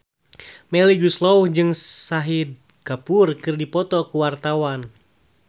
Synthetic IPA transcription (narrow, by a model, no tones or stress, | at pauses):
mɛliɡuslɔuhd͡ʒɨŋsaɦid̚ | kapurkɨrdipɔt̪ɔkuwart̪awan